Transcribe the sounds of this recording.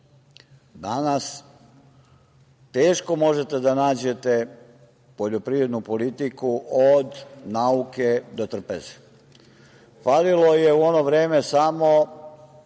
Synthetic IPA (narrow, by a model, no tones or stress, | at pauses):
d̪anas | t̪e̞ːʃko̞mo̞ʒe̞t̪e̞d̪anaːd͡ʑe̞t̪e | po̞ʎo̞pɾiːɾe̞d̪nupo̞lit̪ikuʔod̪nauked̪ot̪r̩pḛze̥ | falilo̞jeuono̞ʋɾe̞ːme̞samo̞